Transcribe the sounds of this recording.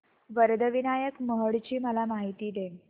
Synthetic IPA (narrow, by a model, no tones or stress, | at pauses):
ʋəɾd̪ʱəʋinajəkməɦəɽt͡ɕiːməlamaɦit̪iːd̪e